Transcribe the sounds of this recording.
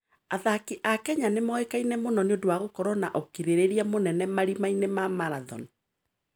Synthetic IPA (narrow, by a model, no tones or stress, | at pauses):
aðakiʔakɛɲanemɔekainɛmonɔneodowaɣokɔɾɔna̰ʔɔkiɾeɾeɾiamonɛnɛmaɾimainemamaɾaðɔ̰ni